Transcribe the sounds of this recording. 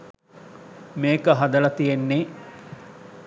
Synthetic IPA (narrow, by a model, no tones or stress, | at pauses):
meːkəɦad̪əlɐt̪ijenːe